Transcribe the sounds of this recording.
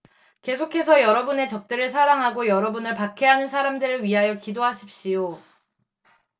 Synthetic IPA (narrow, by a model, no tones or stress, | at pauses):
ke̞sʰokʰe̞sʰʌjʌɾʌbune̞t͡ɕʌp̚t͈eɾɯɭs̬ʰaɾaŋɦaɡojʌɾʌbunɯɭpakʰe̞ɦanɯnsʰaɾamdɯɾɯɭɥiɦajʌkidoɦaɕʰip̚ɕ͈ijo